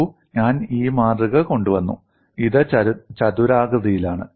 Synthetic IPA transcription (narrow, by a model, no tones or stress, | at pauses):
u | ɲaːniːmaːrɨɣɐko̞ɳɖuʋɐnːṵ | iðɨt͡ɕɐðuɾaːɡɐðɐjilaːɳɨ